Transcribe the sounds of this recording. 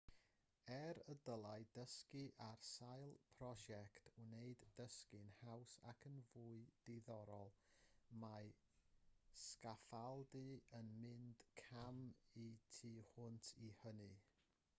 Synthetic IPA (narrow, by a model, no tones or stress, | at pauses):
ɛɾədəlˠaɨdəskiʔarsajlˠpʰrɔʃɛktʰuneɨdːəskɨnhawsa̰kʰənvuːɨd̥eðɔɾɔlˠma | skafalˠdɨənmɪnd̥kʰamitʰiːhʊntʰihənɨ